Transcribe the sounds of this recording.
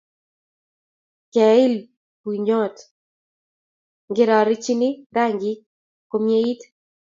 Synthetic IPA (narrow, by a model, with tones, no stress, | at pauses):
kɛ˨ɪ˦l | pwi˨ɲo˦˨t | ŋɡɪ˦ɾɔ˨ɾɪ˦t͡ʃi˦nɪ˦ɾa˦˨ŋɡɪ˦ | ko˦mje˦i˦t